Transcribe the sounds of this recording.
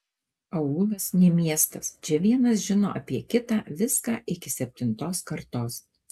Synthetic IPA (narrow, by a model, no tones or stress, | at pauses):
ɐuːlˠɐsnʲɛmʲiɛst̪ɐst͡ʃʲɛʋʲiɛnɐsʒʲɪno̰ːʔɐpʲiɛkʲɪt̪ɑːʋʲɪskɑːʔɪkʲɪsʲɛpʲt̪ʲɪnt̪oːskɐɾt̪oːs